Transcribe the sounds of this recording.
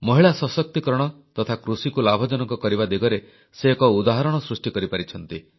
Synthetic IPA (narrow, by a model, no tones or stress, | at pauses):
mɔɦiɭasɔsɔk̚t̪ikɾɔɽ̃ɔ | t̪ɔt̪ʰakɾusikulabʱɔd͡ʒɔnɔŋkɔkɔɾiβad̪iɡɔɾe | seːkɔud̪aɦɔɾɔɽ̃ɔsɾusʈikɔɾipaɾit͡ʃʰɔn̪t̪i